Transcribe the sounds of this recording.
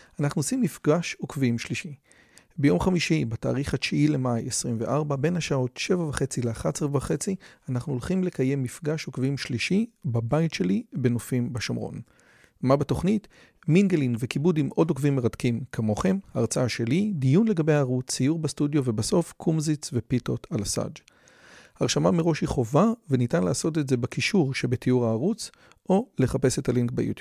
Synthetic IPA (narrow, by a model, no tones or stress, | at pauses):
anaχnuosimːifɡaʃokvimʃliʃi | bejo̞mχamiʃibata̰ːʁiχhaʃiile̞majesʁimvḛʔaʁbabe̞nhaʃao̞tʃe̞vavaχe̞t͡sileaχatsevavaχe̞t͡sianaχnuolχimle̞kaje̞mːifɡaʃokviimʃliʃibabaitʃe̞libe̞nofimbaʃomʁo̰n | mabeto̞χnit | minɡelinvekibudimʔo̞dokvimːeʁatkimkʰamo̞χe̞mhaaʁt͡saaʃe̞lidijunle̞ɡabejaːʁut͡sːijuʁbastudjo̞vebaso̞fkʰumzit͡svepitotʰalasa̰d͡ʒ | aʁʃamameʁo̞ʃhiχo̞vavenitanlaːso̞t̬etze̞bakiʃuʁʃebetijuʁaːʁut͡s | ʔo̞le̞χape̞se̞taliŋkba̰jṵt̪ub